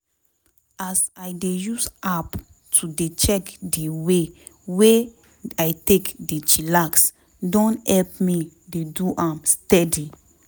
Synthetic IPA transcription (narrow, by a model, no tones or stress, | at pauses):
asajdejusap | tʰudet͡ʃɛkdiwe | we | ajtekdet͡ʃilaks | dɔ̃nhɛlp̚mi | deduʔãmstɛdi